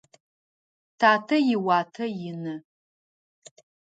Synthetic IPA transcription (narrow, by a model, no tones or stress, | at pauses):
tʰaːtʰɐjɪwaːtʰɐjɪnɨ